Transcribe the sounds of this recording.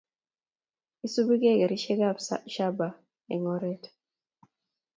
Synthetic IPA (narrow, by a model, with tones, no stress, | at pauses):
i˦su˦bi˦ɡe˦˨ɡɛ˨ɾi˦ʃɛ˦ɡa˦pʃa˦ba˨ | ɛ̰˨ŋɔ˦ɾɛ˦t